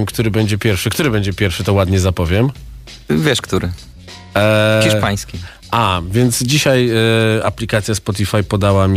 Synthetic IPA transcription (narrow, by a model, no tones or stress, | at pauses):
mkt̪uɾɘbɛɲd͡ʑɛpʲjɛɾfʂɘkt̪uɾɘbɛɲd͡ʑɛpʲjɛɾfʂɘt̪ɔwad̪ɲɛzapɔvʲjɛm | vʲjɛʂkt̪uɾɘ | xʲiʂpaj̃skʲi | ʔavʲjɛnt̪sd͡ʑiɕajaplʲikat̪sʲjaspɔt̪̬ʲifajpɔd̪awamʲ